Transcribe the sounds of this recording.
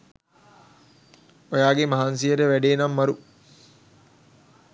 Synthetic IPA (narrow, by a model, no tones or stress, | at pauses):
ojaːɡemɐɦaːns̬iəɾeʋæɖeːnamːɐɾu